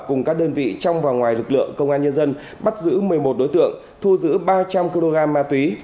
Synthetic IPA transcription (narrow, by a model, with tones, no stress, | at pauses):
kʊ˨˩ŋ͡mkaː˦˥k̚ɗəː˧nvḭ˧˨t͡ɕɔ˧wŋ͡mvaː˨˩wŋwaː˨˩jlɨ˨˩k̚lɨ̰˧˨əŋkə˧wŋ͡mʔaː˧nɲə˧nzə˧n | ɓa˦˥t̚zɨ̰˧˥mɨ˨˩əjmo˨˩t̚ɗo˨˦jt̪ɨ̰˧˨əŋ | t̪ʰu˧zɨ̰˧˥ɓaː˧t͡ɕa˧mki˧lo˧ɣaː˧mːaː˧t̪wi˨˦